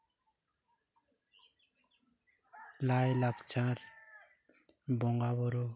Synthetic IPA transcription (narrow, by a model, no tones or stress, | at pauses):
lajlakt͡ʃʰaɾ | bɔŋɡaβɔɾo